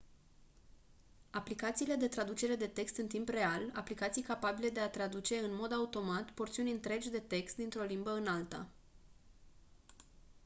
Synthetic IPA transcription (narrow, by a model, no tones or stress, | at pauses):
aplikat̪siːle̞d̪e̞t̪ɾad̪ut͡ʃe̞ɾe̞d̪e̞t̪e̞kst̪ɨnt̪impre̞ala̰plikat̪sijkapabile̞d̪e̞at̪ɾad̪ut͡ʃe̞ɨnmo̞d̪aut̪o̞mat̪po̞rt̪siunʲɨnt̪ɾe̞d͡ʒʲd̪e̞t̪e̞kst̪̚d̪int̪ɾo̞limbəɨnalt̪ə̰